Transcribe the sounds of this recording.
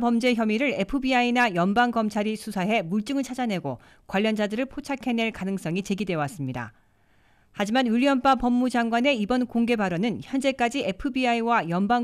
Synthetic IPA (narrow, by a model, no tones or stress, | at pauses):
pʌmd͡ʑe̞çjʌmiɾɯɾe̞pʰɯbiainajʌnbaŋkʌmt͡ɕʰaɾisʰusʰaɦe̞muɭt͡ɕ͈ɯŋɯɭt͡ɕʰad͡ʑane̞ɡo | kwaʎːʌnd͡ʑadɯɾɯɭpʰot͡ɕʰakʰe̞ne̞ɭkanɯŋs͈ʌŋit͡ɕe̞ɡidwe̞was͈ɯmɲida̰ | had͡ʑimanuɭiʌmp͈apʌmːud͡ʑaŋɡwane̞ibʌnkoŋɡe̞baɾonɯnçjʌnd͡ʑe̞k͈ad͡ʑie̞pʰɯbiaiwajʌmbaŋ